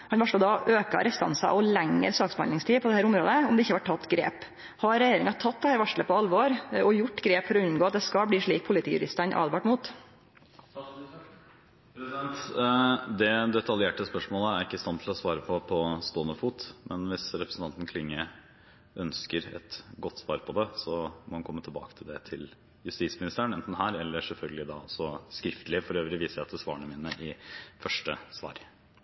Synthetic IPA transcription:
hɑnʋɑʂɭəd̪ɑʔøːkɑ̰ɾɛst̪ɑ̰nsɑ̰ʔɔlæŋːə̰ɾsɑːksbəhɑnd̪ɪŋst̪ʰiːpʰɔd̪ɛhæːɾʊmɾoːd̪əɔmd̪ɛɪçːʋæʈʰːɑt̪ːɡɾḛːp | hɑɾɾɛjeːɾɪŋɑt̪ʰɑt̪̚ːd̪ɛhæːɾʋæʂɭəpɔɑlʋoːɾɔjʊʈːɡɾeːpfɔɾɔʉnɡoːɑt̪̚d̪ɛskɑbliːʂɭiːk̚pʰʊlɪt̪ʰiːjʉ̰ɾɪ̰st̪ænʔɑ̰ːd̪ʋɑʈmuːt̪ | nt̪ | d̪ɛd̪ɛt̪ʰɑljeːʈəspœʂmoːləæɾɪkːəst̪ɑnt̪ʰlɔsʋɑːɾəpʰɔpʰɔst̪oːnəfuːt̪mʔɛnʋɪsɾɛpɾəsn̩t̪ɑnt̪n̩kʰlɪŋːə | ʔœnskəɾɛ̰t̪ɡɔt̪ːsʋɑːɾpʰɔd̪ɛsɔmɔhɑnkʰɔmːət̪ʰlbɑ̰ːkət̪ʰɪld̪ɛt̪ʰɪl | jʉst̪iːtsmɪnɪst̪əəɳɛnt̪n̩hæːɾɛlːəʂɛlfœlɡəlɪd̪ɑ̰ːɔsɔskɾɪft̪əlɪfɔɾøːʋɾɪʋiːsəjæt̪ʰɪlsʋɑːəɳəmiːnəʔɪfœʂʈəsʋɑ̰ːɾ

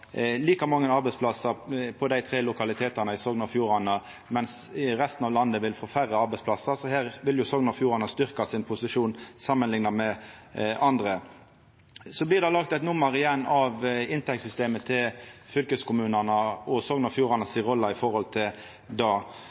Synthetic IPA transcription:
liːkɑmɑŋːənɑɾbɛɪspʰlɑsəpʰɔd̪æɪt̪ʰʁeːlʊkɑlɪt̪ʰeːt̪ɑnəɪsɔɡnɑfjuːʁɑnə | mɛns | ʁɛst̪n̩ɑːʋlɑnd̪əʋɪlfoːfæʁəɑɾbɛɪspʰlɑsəsɔhæːʁʋɪljʊsɔŋnəɑfjuːʁɑnəst̪ʏʁkɑsɪnpʰʊsɪʂuːnsɑmːənlɪŋnɑmɛʔɑnd̪ʁə | sɔblɪʁd̪ɑlɑkt̪ɛt̪nʊmːəɾɪjɛnːɑʋɪnt̪ʰɛk̚t̪sʏst̪eːmət̪ʰɪlfʏlkəskʊmʉːnənəɔsɔŋnɑfjuːʁɑnəsiːʁɔlːɑɪfɔʁhɔlt̪ʰɪl | d̪ɑː

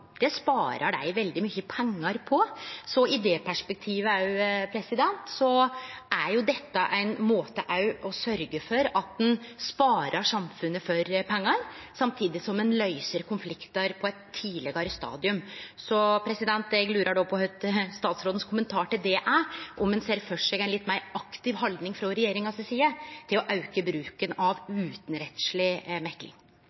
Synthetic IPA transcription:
d̪̥ɛspɑːɾəɖæ̰ɪʋɛld̪ɪmyçəpʰɛŋːɑɾpʰɔsɔɪd̪ɛpʰæʂpɛk̚t̪ʰiːʋəæpʰɾɛsɪd̪ɛnt̪sɔʔæɾjʊd̪ɛt̪ːəʔæɪnmoːt̪əʔɑʉɔsœɾɡəfɔɾɑt̪̚d̪ɛnspɑːɾʔəʂɑmfʉnːəfɔɾpʰɛŋːɑɾsɑmt̪ʰiːd̪ɪsɔmɛnlœʏsəɾkʰʊnflɪkt̪ɑɾpʰɔɛt̪ʰːiːlɛɡɑɾəst̪ɑ̰ːd̪ɪʉmsɔpʰɾɛsɪd̪ɛnt̪ɛɡlʉːɾəɖɔpʰɔhœt̪st̪ɑːt̪sɾoːd̪n̩skʰʊmənt̪ʰɑːʈɪld̪ɛʔæʔɔmɛnseːɾfœʂɛɡæɪnlɪt̪ːmæɪɾɑkt̪ɪʋhɑld̪nɪŋfɾɔɾɛjeːɾɪŋɑsɛsiːət̪ʰɪlɔʔɑʉkəbɾʉːkənɑʋʉːt̪n̩ɾɛt̪sɭɪmɛklɪ̰ŋ

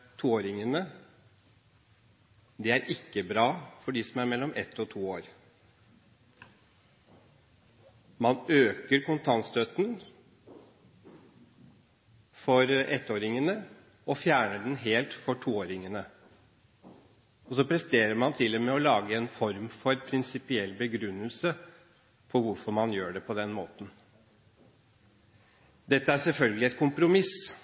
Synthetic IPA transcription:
t̪ʰuːoːɾɪŋənə | d̪ɛæɾʔɪkːəbɾɑːfɔɖiːsɔmæɾmɛlːɔmʔɛt̪ːɔt̪ʰuːoːɾ | mɑnøːkəɾkʰʊnt̪ʰɑnst̪øt̪n | fɔɾɛt̪ːoːɾɪŋənə | ɔfjæːɳəɖɛnɦeːlt̪fɔʈʰuːoːɾɪŋənə | ɔsɔpɾɛst̪eːɾəɾmɑnt̪ʰɪlːɛmɛɔlɑːɡəɛnfɔɾmfɔɾpʰɾɪnsɪpɪɛlːbəɡɾʉnːəlsə | pʰɔɾʋʊɾfɔɾmɑnjøːɖɛpʰɔd̪ɛnmoːt̪n̩ | d̪ɛt̪ːəæʂɛlfœlɡəlɪɛt̪̚kʰʊmpɾʊmɪs

